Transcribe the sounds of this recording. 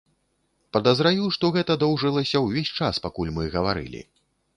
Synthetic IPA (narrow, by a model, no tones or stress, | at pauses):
pɐd̪ɐzɾajʲuʂt̪ɔɣɛt̪ɐd̪ɔwʐɨlˠɐsʲɐwvʲesʲt͡ʂaspakulʲmɨɣɐvaɾɨ̰lʲḭ